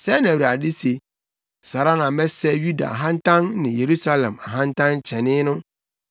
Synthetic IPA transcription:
sɛ˦n˨æ̃˨wi˨a˨dɪ˦se˨ | sa˨ɾa˦nã˨mɛ̃˦sɛ˦ju˦da̰˨a̰˨ɦã˦ntʰã˦nːɪ̃˨je˨ɾu˦sa˦lɛ̃˨ma˨ɦã˦ntʰã˦n˦t͡ɕʰɛ̃˨nɪ̃˦nʊ̃˦

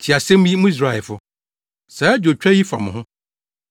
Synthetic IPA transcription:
t͡ɕʰi˨a˨sɛ̃˦m̃˦ji˦mʊ̃˦i˦s̬ɾa˨ɛ˨lfʊ˦ | sɛː˨˦d͡ʑo˨t͡ɕᶣɛ˦ji˦fa̰˨mʊ̃˨ɦʊ̃˦

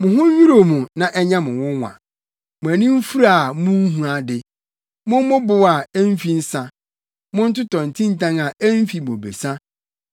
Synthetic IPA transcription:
mʊ̃˨ɦʊ̃˦i˦ɾo˨mũ˨nã˨ʔɛ˦ɲã˦mʊ̃˨wʊ̃˦ŋʷã̰˨ | mʊ̃˨æ˨nĩ˦m̩˦fu˦ɾa˦˨mʊ̃˦n˦ɦũ˨a˨dɪ˨ | mʊ̃˦m˦mʊ̃˦bʊ˦wa˨ɛ˦m˦fi˦n̩˦sa˨ | mʊ̃˦n̩˦tʊ˦tɔ̃˨n̩˨tʰĩ˦n̩˦tʰã˦ŋa˨æ˦m˦fi˨mo˨bḛ˨sa˦

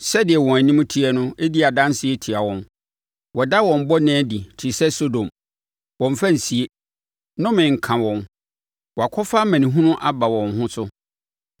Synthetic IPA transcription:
sɛ˦dɪ˨ɛ˨wɔ̃˨æ˨nĩ˦m˦tʰi˦ɛ˨nʊ̃˦e˦di˦a˨dã˦nsɪ˦e˦tʰi˨a˨wɔ̃˨n | wɔ˨da˦wɔ̃˨m̩˨bɔ˦nɛ̃ː˦di˨tʰi˨sɛ˦so˦dõ˨m | wɔ̃˨ɱ˨fa˦n̩˨si˨e˦ | nʊ̃˦mɪ̃˨ŋ̩˨kʰã˨wɔ̃˨n | wɔ˨a˨kʷʰɔ˦fa˦mæ̃˨nĩ˨ɦũ˦nʊ̃˦ʔa˨ba˨wɔ̃˨nhʊ̃˦sʊ˦

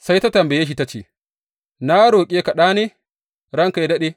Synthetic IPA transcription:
sa˦jta˦tɐ˨mbe˨ja˦ʃ̬i˨ta˦t͡ʃḛ˨ | na˦ɽoː˨kʲʼeː˦ka˨ɗaː˦neː˦ | ɽɐ˦ŋka˨jdɐ˦ɗe˦

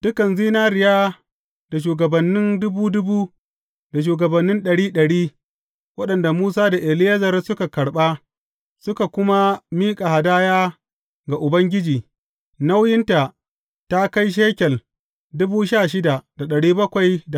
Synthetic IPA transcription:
d̥ʊ˦kɐ˨nziː˦naː˦ɾɪ˨jaː˦ | d̥a˨ʃ̬uː˨ɡɐ˨bɐ˨nːɪ˦ndʊ˦buː˦dʊ˦buː˦ | da˨ʃ̬uː˨ɡɐ˨bɐ˨nːɪ˦nɗɐ˨ɽiː˦ɗɐ˨ɽiː˦ | wɐ˦ɗɐ˨nda˨muː˦s̬aː˦da˨ʔɪ˨lɪ˦jɐ˦zɐ˨rsʊ˦ka˨kɐ˨ɽɓa˦ | sʊ˦ka˨kʷʊ˦ma˦miː˦kʼa˨ha˨daː˦jaː˦ | ɡa˨ʔʊ˨bɐ˦ŋɡʲɪ˦d͡ʒiː˨ | na˦wjɪ˦nta˨ | ta˦ka˦jʃ̬eː˦kʲɛ˨l | dʊ˦buː˦ʃaː˦˨ʃ̬ɪ˦da˨d̥a˨ɗɐ˨ɽiː˦bɐ˦kʷa˨jda˨

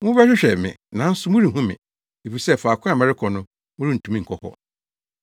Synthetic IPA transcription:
wʊ̃˦bɛ˦ɕᶣɪ˦ɕᶣɛ˨mɪ̰̃˨nã˨˦n̩˦sʊ˨˦mʊ̃˦ɾi˨hũ˦mɪ̰̃˨ | e˨fi˨sɛ˦fa˨kʰʷʊ̃˦a˨mɛ˦ɾɪ˦kʰɔ˨nʊ̃˦ | mʊ̃˦ɾi˦n̩˨tʰũ˨mĩ˦ŋ̩˨kʰɔ˨hɔ̰˨

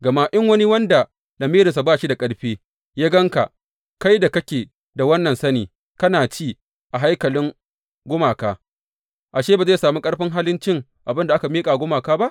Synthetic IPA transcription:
ɡɐ˨ma˦ʔɪ˦ŋwɐ˦ni˦wɐ˦nda˨ | lɐ˨miː˦ɾɪ˨nsa˨baː˦ʃi˦da˨kʼɐ˦ɽɸeː˦ | jaː˦ɡɐ˦ŋka̰˨ʔ | ka˦jda˨kɐ˦kʲeː˨ | da˨wɐ˦nːɐ˨nsɐ˦niː˨ | kɐ˦naː˨t͡ʃiː˦ | ʔa˨ɦa˦jkɐ˨lɪ˦ŋ | ɡʷʊ˦maː˨kaː˦ | ʔa˨ʃeː˦baː˨ze˦˨saː˨mu˦kʼɐ˦ɽɸɪ˦ŋɦaː˦lɪ˦nt͡ʃɪ˦ŋ | ʔa˨bɪ˦nda˨ʔa˦ka˨miː˦kʼa˨ɡʷʊ˦maː˨kaː˦ba˦ʔ

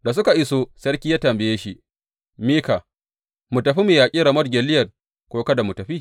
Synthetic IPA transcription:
da˨s̬ʊ˦ka˨ʔɪ˦so˦sɐ˦rkʲiː˦jaː˦tɐ˨mbɪ˨jeː˦ʃi˦ʔ | miː˦ka˨ | mʊ˨tɐ˨ɸi˦miː˨jaː˨kʲʼiː˦ɾa˨mɐ˦rɡʲe˨lɪ˦jɐ˨r | kʷoː˦kɐ˦da˨mʊ˨tɐ˨ɸi˦

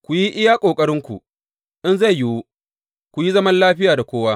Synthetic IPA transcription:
kʷu˨ji˦ʔɪ˦jaː˦kʷʼoː˨kʼɐ˦ɾɪ˦ŋkʷṵ˨ | ʔɪ˦nza˦˨jjɪ˨˦wu˦ | kʷu˨ji˦zɐ˦mɐ˦nlaː˦ɸɪ˦jaː˨da˨kʷoː˦waː˦

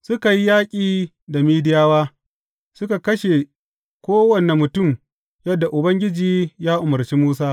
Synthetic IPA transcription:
sʊ˦ka˨ji˦jaː˦kʲʼiː˨ | da˨miː˦dɪ˦jaː˦waː˦ | sʊ˦ka˨kɐ˦ʃe˨ | kʷoː˦wɐ˨ne˨mːʊ˨tʊ˦˨m | jɐ˦dːa˨ʔʊ˨bɐ˦ŋɡʲɪ˦d͡ʒiː˨jaː˦ʔʊ˨mɐ˨rt͡ʃi˦muː˦saː˦

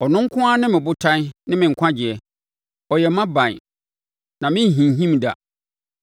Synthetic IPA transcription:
ɔ˨nʊ̃˦ŋ̩˦kʰʊ̃˦a˦nɪ̃˦mɪ̃˨bʊ˦tʰã˦n˦nɪ̃˦mɪ̃˨ŋ̩˨kʷʰã˦d͡ʑɪ˨ɛ˨ | ɔ˨jɛ˨mã˦bã˨n˨ | nã˨mɪ̃˦˨ɦĩ˨n˨ɦĩ˦mda̰˨

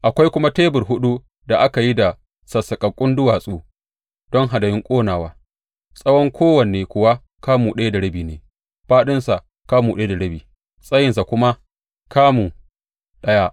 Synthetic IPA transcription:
ʔa˨kʷa˦jkʷʊ˦ma˦teː˦bʊ˨rɦʊ˦ɗu˦ | da˨ʔa˦ka˨ji˦da˨ | sɐ˨sɐ˨kʼɐ˨kʷʼʊ˦ndʊ˦waː˨sʼoː˦ | d̥ɔ˦ŋɦa˨dɐ˨jɪ˦ŋkʷʼoː˦naː˨waː˦ | sʼɐ˦wɔ˦ŋkʰʷoː˦wɐ˨neː˨kʷʊ˨wa˦ | kaː˦muː˨ɗɐ˦ja˦da˨ɽɐ˦biː˨nḛː˨ | ɸaː˦ɗɪ˦nsa˨ʔ | kaː˦muː˨ɗɐ˦e˦da˨ɽɐ˦biː˨ | sʼɐ˦jɪ˨nsa˨kʷʊ˦ma˦ | kaː˦muː˨ | ɗɐ˦ja˦ʔ

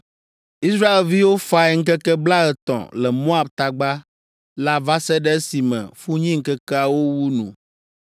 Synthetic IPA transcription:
i˦s̬ɾa˦e˨lvi˦wo˦fa˦e˦ŋ̩˦k̬ɛ˦kɛ˦bla˦ɣɛ˨t̪ɔ̰̃˨lɛ˨mɔ̃˦a˨b̚t̪a˨ɡ͡ba˦ | la˦va˦sɛ˦ɖɛ˦ɛ˦si˨mɛ̰̃˨fu˦ɲĩ˦ŋ̩˦kɛ˦kɛ˦a˨wo˦wu˦nṵ̃˨

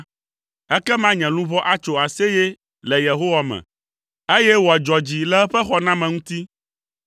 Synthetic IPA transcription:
ɛ˦kɛ˦mã˦ɲɛ̃˨lũ˦vɔ˦ʔa˦t͡ʃo˨a˨sɛ˦jɛ˦ | lɛ˨je˨ɦo˦wa˦mɛ̰̃˨ | e˦jɛ˦wo˨a˨d͡ʒɔ˨d͡ʑi˨lɛ˦ɸɛ˦xɔ˦nã˦mɛ̃˨ŋũ˦t̪i˦

